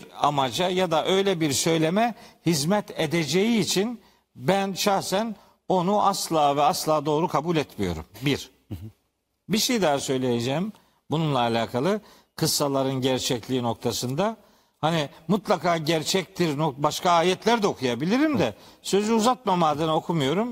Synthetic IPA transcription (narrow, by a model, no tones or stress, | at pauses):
iɾa̰mad͡ʒajad̪aʔø̞jlʲɛbiɾsø̞jlʲemɛhizmɛt̪ed̪ed͡ʒejiːt͡ʃʰin | bænʃaxsæn | o̞nuʔaslˠaːvɛaslˠaːd̪o̞ːɾukʰabulʲɛt̪mijo̞̰ɾṵmbiɾ̥ | biʃejid̪aːasø̞jlʲejed͡ʒɛːm | bununlˠaːlʲaːkʰalˠɯ | kʰɯsːalˠaɾɯnɟæɾt͡ʃʰɛclʲiːno̞k̚t̪ʰasɯnd̪a | hanimut̪lˠakʰaːɟæɾt͡ʃʰɛc̚t̪iɾnokbaʃkaaːjɛt̪lʲæɾd̪ɛo̞kʰujabilʲiɾimd̪ɛsø̞zyuzat̪̚mamaːd̪ɯno̞kʰumujo̞ɾum